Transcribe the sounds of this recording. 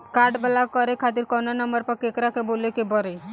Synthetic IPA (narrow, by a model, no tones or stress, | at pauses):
kaɾɖbəlakːɔɾekʰat̪iɾkɔnanɔmbəɾpɔɾkekɾakebolekebɔɾe